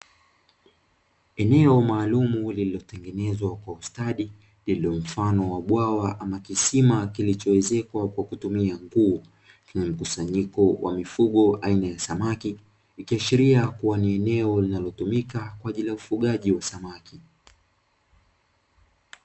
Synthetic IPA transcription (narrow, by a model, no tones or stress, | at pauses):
ɛnɛɔmaːlumulililɔtɛŋɡɛnɛzwakwaustaɗi | lilɔm̩fanɔwaɓwawaʔamakisimakilit͡ʃɔwɛzɛkwakwakutumiaŋɡuɔ | kɛɲɛm̩kusaɲikɔwʔa̰mifuɠɔʔainajasamakiː | ikiaʃiɾiakuwaniɛnɛɔlinalɔtumikakwaʄiliaufuɠaʄiwasamaki